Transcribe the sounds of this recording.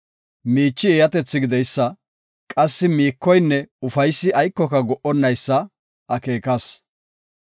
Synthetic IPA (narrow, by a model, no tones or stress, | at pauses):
miːt͡ʃːɪeːjɐt̪ɛt͡sːɪɡɪd̪ɛjsːɐ | kʼɐsːɪmiːkːɔjnːɛʊfɐjsːɪɐjkːɔkɐɡɔʔɔnːɐjsːɐ | ʔɐkeːkɐs